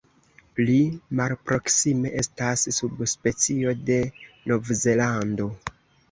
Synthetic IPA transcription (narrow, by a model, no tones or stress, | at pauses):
limalpɾo̞ksime̞ʔe̞stasːubspe̞t͡sio̞de̞no̞vze̞lando̞